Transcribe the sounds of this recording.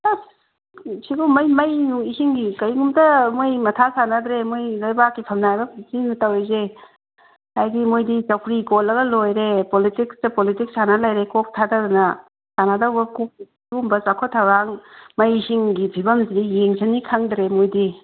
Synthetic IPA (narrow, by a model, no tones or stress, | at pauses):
a | siɡumɐjmɐjnuisiŋɡikɐjɡumtɐmojmɐtʰasanad̪ɾemojlajbakːipʰɐmnajbɐzinutaweze | hajdimojdit͡ʃawkʰɾikolɐɡɐlojɾepolitikstɐpolitik̚sanalajɾekok̚tʰadadunɐ | sanadɐwbɐkok̚ | ɡumbɐsakʰɔtʰawɾaŋmɐjisiŋɡibʰʱibɐmsidijeŋsʰanikʰaŋdɾemojdi